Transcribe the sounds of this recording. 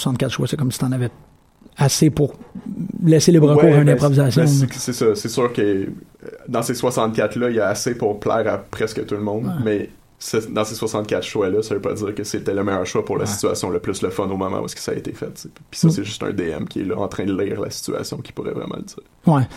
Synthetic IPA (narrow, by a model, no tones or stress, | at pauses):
sɑ̃t̪̚kʲat̪ʃwasɛkɔmsit̪ɑ̃navɛ | asepʊʁ | lɛselebʁəkuːʁynɛ̃pχɔvizasjɔ̃sɛsʌsɛsyːʁkə | d̪ɑ̃seswasɑ̃t̪̚kʲat̪lʌijaasepʊʁplɛ̰ːʁapχɛskət̪ulmɔ̃d̪mɛ | səd̪ɑ̃seswasɑ̃t̪̚kʲat̪ʃwalʌsavøpɑ̰d͡z̪iːʁkəsɛt̪ɛləmɛjœːʁʃwapʊʁlasi̥t͡sya̰sjɔ̃ləplʏsləfɔnomɔmɑ̰̃ṵɛskə̥saːḛt̪efɛt̪̚t͡se | pi̥sʌsɛʒʏst̪ɛ̰̃d̪eɛ̰mkʲiɛ̰lʌʔɑ̃t̪χɛ̃d̪əliːʁla̰si̥t͡sya̰sjɔ̃kʲi̥puʁɛ̰vʁɛ̰mɑ̰̃ləd͡z̪̥iːʁwɛ